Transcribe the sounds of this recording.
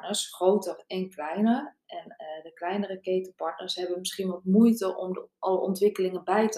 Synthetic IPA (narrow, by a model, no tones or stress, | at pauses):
nərsxrowtərɛnklɛjnər | ɛndəklɛjnərəkejtəpɔɹtnəsɦɛbənmɪsχinʋɔtmujtəʔɔmʔɑləʔɔntʋɪkəlɪŋənbɛjtə